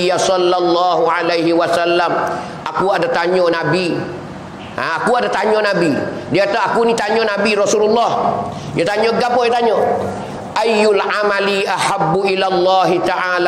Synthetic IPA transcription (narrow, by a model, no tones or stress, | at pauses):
jasɔlːalːɑːɦuʕalejɦiwasalːam | ʔakuadataɲɔnabi | aakuadataɲɔnabidiataakunitaɲɔnabiɾɑsuːlulːɑːh | jɔtaɲɔɡapɔjɔtaɲɔ | ʔajʊlʕamaliʔaħabːuʔilalˤːɑːɦit̪aʕaːla